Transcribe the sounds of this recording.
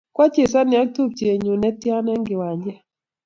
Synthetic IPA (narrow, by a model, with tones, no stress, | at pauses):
kwa˦t͡ʃe˨sa˦nɪ˨a˦k̚tu˦p̚t͡ʃe˨ɲu˨nɛ˦tja˦nɛ˦ŋɡɪ˨wa˨ɲd͡ʒɛ˦